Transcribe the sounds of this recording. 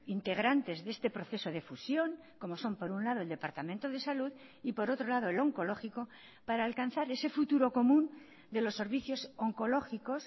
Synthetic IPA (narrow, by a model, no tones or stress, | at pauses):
int̪e̞ɣ̞ɾant̪e̞zðe̞st̪e̞pɾo̞θe̞so̞ðefusjo̞ŋ | ko̞mo̞so̞mpo̞ɾunlaðo̞eld̪e̞paɾt̪ament̪oðe̞saluðipo̞ɾo̞t̪ɾo̞lað̞oelo̞ŋko̞lo̞xiko̞ | paɾaːlkan̟θaɾe̞se̞fut̪uɾo̞ko̞mũn | d̪e̞lo̞sːe̞ɾβ̞iθjo̞so̞ŋko̞lo̞xiko̞s